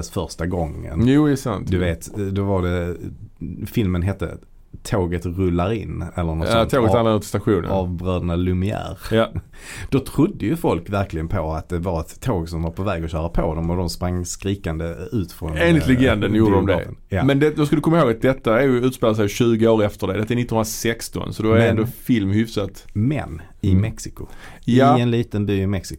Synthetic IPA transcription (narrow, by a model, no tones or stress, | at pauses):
sfœɾʂtaɡɔŋːə̰njuːd̪ɛsa̰nt̪d̪ɵveːt̪d̪ɔvadɛ | fɪlmənɦɛt̪ːə̰ | t̪ʰoːɡət̪ɾɵlːaɾɪnːɛlːəɾnɔst̪ʰoːɡət̪anad̪ət̪ʰɪ̥st̪aɧuːnə̰ɑvbɾøːd̪nalɵmɪæ̰ːɾj | d̪̥ɔt̪ʰɾʊd̪ːəjɵfɔlkvæɾklɪɡənpʰɔat̪̚d̪ɛvaɾɛt̪ʰːoːɡsɔmvaɾpʰɔvɛːɡɔɕœːɾapʰod̪ɔmɔd̪ɔmspɾaŋːskɾiːkand̪əʉ̟ːt̪fɾɔneːnlɪt̪lɛɡɛnd̪ənjuɾɾəɔmd̪ɛ̰mɛnd̪ɛd̪oɔskɯld̪əkʰɔmːahɦoːɡat̪̚d̪ɛt̪ːaɛɾjɵʉ̟ːt̪speːlaəs̬ɛjɕʉ̟ːɡəoːɾɛft̪əɖɛd̪ɛt̪ːaæɛɾnɪt̪ːɔnhʊnɾasɛkst̪ɔ̰nsɔd̪ɛɾɛnd̪ɔfɪlmhʏfsat̪mɛ̰nː | ɪmɛksɪkʊjɛnliːt̪ənd̪ʉɪmɛksɪ